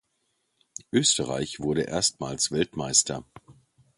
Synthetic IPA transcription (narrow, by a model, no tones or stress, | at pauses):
ʔøːstəʁa̰ɪçv̥ʊɐɾəʔḛːɐstmaːlsv̥ɛltmaɪstɐ